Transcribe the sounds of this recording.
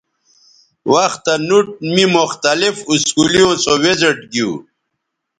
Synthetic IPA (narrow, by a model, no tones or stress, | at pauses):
waxt̪anuʈ̚mimʊxt̪alifuskulijõːsoweziʈɡiu